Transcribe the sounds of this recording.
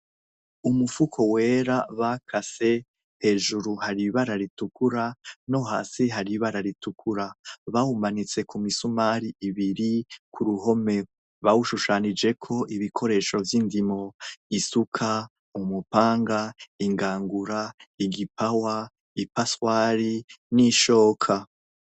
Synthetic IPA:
umufukʰo̞weːɾaβakʰase̞ | he̞ːʒuɾuhaɾiβaɾaɾitukʰuɾano̞ɦa̰ːsiɦaɾiβaɾaɾitukʰuɾaβawumanit͡se̞kumisumaɾiʔiβiɾikʰuɾuho̞me̞ | βawuʃuʃanid͡ʒe̞kʰo̞ʔiβikʰo̞ɾe̞ːʃo̞vjindimo̞isukʰa | umupaːŋɡaiŋɡaːŋɡuɾaiɡipawa | ipaswaːɾiniʃo̞ːkʰa

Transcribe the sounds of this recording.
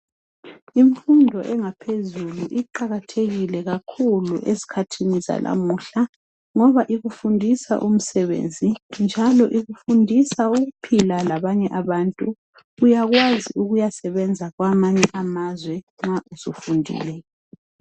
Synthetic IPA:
iɱfundʱɔʔɛŋapʰezuluʔiǃaɣatʰeɣilɛɣakʰulṵʔezi̥kʰatʰiniza̰lʔa̰muɬa | ŋɔβaʔiɣufundʱisa̰ʔum̩sɛβḛnd͡zʱind͡ʒʱalɔʔiɣufundʱisauɣupʰilalaβaɲɛʔaβaːntʼu | ujaɣwaziuɣujasɛβɛnd͡zʱaɣwamaɲɛʔamazwɛ | ŋ͡ǁaʔuzufundʱḭlɛ

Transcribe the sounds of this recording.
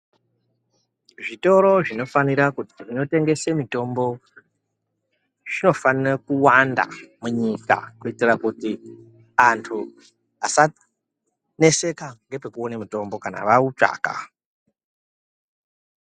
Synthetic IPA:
ʐito̞ɾo̞ʐino̞faniɾakuti̥ʐino̞te̞ŋɡe̞se̞mito̞mbo̞ | ʐ̥ino̞fanirekuwanda̰muɲika̰kuitirakuti | antʰu | asa | ne̞se̞kaŋɡe̞pe̞kuo̞nemito̞mbo̞kana̰ʋaut͡ʂa̰ːka̰

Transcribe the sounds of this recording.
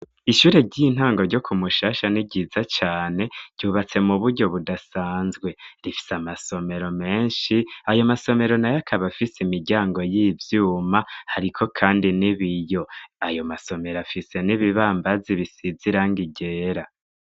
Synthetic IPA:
iʃuːɾe̞ɟin̥haːŋɡo̞ɾɟo̞kʰumuʃaːʃaniɟizat͡ʃaːne̞̥ɟ̥uːβat͡se̞muβuɾɟo̞βudasaːnzɡwe̞ɾifi̥samaso̞me̞ɾo̞me̞ːnʃiajo̞maso̞me̞ɾo̞najakʰaβafisimiɾɟaːŋɡo̞jiːvjuːmahaɾikʰo̞kʰaːndiniβijo̞ajo̞maso̞me̞ɾafise̞niβiβaːmbaziβisiziɾaŋɡiɟe̞ːɾa

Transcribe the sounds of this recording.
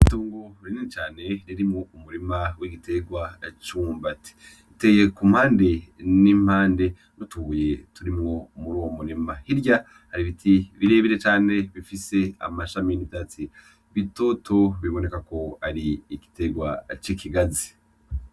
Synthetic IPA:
iituːŋɡoɾininit͡ʃaːne̞ɾiɾimŋoumuɾimawiɡitʰe̞ɡwat͡ʃuːmbati̥ | itejekum̥haːnde̞nim̥haːnde̞ | nutuhuje̞tuɾimŋo̞muɾuwomunimahiɾɟa | haɾiβitʰiβiɾe̞ːβiɾe̞t͡ʃaːne̞βifise̞a̰maʃaminitat͡si | βito̞ːtʰo̞βiβo̞nekako̞aɾiːɡi̥te̞ɡwat͡ʃikʰiɡazi

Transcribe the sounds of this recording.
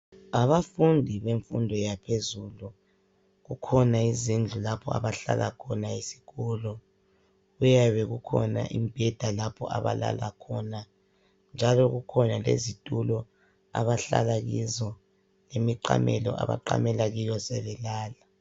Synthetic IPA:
aβafundʱiβeɱfundʱɔjapʰezulu | ɣukʰɔnaizind͡ɮʱulapʰɔa̰βaɬa̰lakʰɔnaisi̥kʰɔlɔ | ɣujaβɛɣukʰɔna̰ʔimb̥ʱɛd̥ʱalapʰɔʔa̰βa̰la̰lakʰɔna | nd͡ʒʱalɔɣukʰɔnalḛzitʼulɔ | a̰βaɬa̰laɣizɔ | lemiǃa̰mɛlɔ̰ʔa̰βa̰ǃa̰mɛlaɣijɔsɛβɛlaːla

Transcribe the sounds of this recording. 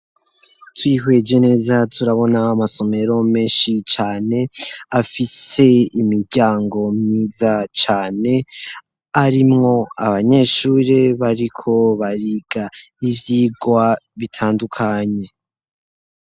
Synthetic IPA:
twiɦwe̞d͡ʒe̞ne̞ːzatʰuɾaβo̞namaso̞me̞ɾo̞me̞ːnʃit͡ʃaːne̞afise̞imiɾɟaːŋɡo̞mɲiːzat͡ʃaːne̞ | aɾimŋo̞aβaɲe̞ʃuːɾeβaɾikʰo̞βaɾiɡ̥a | ivjiːɡwaβitʰaːndukʰaɲe̞

